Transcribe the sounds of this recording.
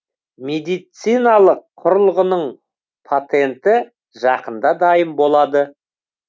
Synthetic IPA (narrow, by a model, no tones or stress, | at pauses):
mʲe̞d̪ijt̪sijnɑlˠəqʰːʊɾəlˠʁənəɴ | pʰat̪e̞nt̪ɪ | ʒɑqənd̪ɑd̪ɑjəmbo̞lˠɑd̪ə